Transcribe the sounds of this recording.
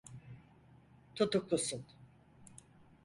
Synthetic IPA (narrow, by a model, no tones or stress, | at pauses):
t̪ʰut̪uklusun